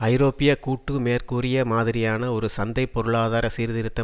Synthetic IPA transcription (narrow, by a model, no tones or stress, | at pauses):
ɐɪɾoːpːɪjɐkuːʈːɯmeːrkuːrɪjɐmaːðɪɾɪjaːnɐɔɾɯsɐnd̪ɐɪpːɔɾɯɭaːðaːɾɐsiːɾðɪɾɯt̪ːɐ